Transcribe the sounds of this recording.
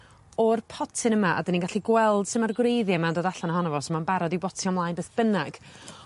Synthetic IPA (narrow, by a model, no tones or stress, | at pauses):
ɔrpʰɔtʰɪnəmaʔa̰dənĩnɡaɬiɡwɛlˠd̥sɪmarɡwrejðjamandoːdaɬanaɦɔnɔvɔsəmanbaɾɔdibɔtʰiɔmlˠajnbeːθb̥ənaɡ̥